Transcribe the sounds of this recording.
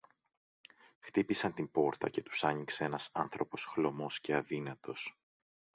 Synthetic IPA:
xt̪ipisɐnt̪imbo̞ɾt̪ɐ̰ce̞t̪u̥sɐɲikse̞enɐsɐnθɾo̞po̞sxlo̞mo̞sce̞ɐðinɐt̪o̞s

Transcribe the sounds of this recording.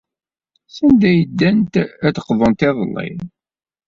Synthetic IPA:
sənd̪æjəd̪ːænt̪æt̪ə̥qːðˤənt̪ɪðˤəlˤːḭð

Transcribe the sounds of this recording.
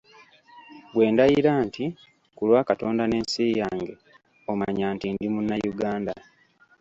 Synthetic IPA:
bwe̞ːndajiɾaːnti | kulwaːkato̞ːndane̞ːnsiːjaːŋɡe̞ | omaɲaːntindimunːajuɡaːnda

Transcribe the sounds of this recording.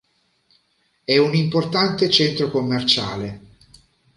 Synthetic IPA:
ɛunimport̪ant̪et͡ʃɛnt̪ɾokomːert͡ʃa̰ːle

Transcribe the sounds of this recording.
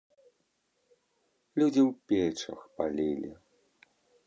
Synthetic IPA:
lʲud͡zʲiwpʲɛt͡ʂɐ̰xpalʲilʲi

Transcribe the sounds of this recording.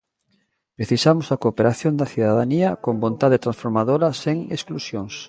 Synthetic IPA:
pɾeθisamʊsɐkopeɾaθjond̪ɐθiðaðaniɐkombont̪aðet̪ɾãnsfoɾmaðoɾɐseŋesklusjoŋs

